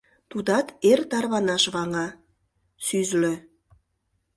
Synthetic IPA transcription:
t̪ud̪ɑt̪ert̪ɑrβɑnɑʃβɑŋɑ | syzlø

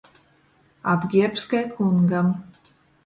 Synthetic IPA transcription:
abɡʲiɛpskajkʰuŋɡam

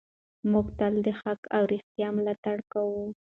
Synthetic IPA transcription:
mʊkt̪ald̪əxakawɾɪxt̪jɑmlɑt̪aɽkawu

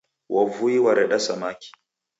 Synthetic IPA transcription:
wʔɐvujiwɐɾɛɗɐsɐmakʲi̥

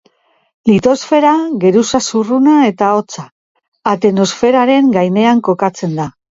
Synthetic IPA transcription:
lit̪o̞sfe̞ɾaɣe̞ɾusasurunae̞t̪ao̞t͡saː | t̪eno̞sfe̞ɾaɾe̞ŋɡajne̞aŋko̞kat͡se̞nd̪a

